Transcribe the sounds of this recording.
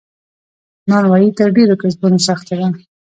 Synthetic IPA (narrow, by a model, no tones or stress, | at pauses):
nɑnwɑjit̪əɾɖeɾokesbunosaxt̪ad̪a